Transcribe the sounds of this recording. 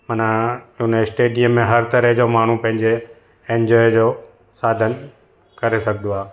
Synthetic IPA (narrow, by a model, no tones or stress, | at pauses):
mɐnaʊn̤sʈeːɖiəmːẽɦɐɾt̪ɐɾəɦd͡ʑomaːɳ̤upɐ̃ɦɪ̃ɲd͡ʑe | ẽːɲd͡ʑɔːjd͡ʑoː | saːd̪ʱən | kɐɾesɐɡʱnd̪oaː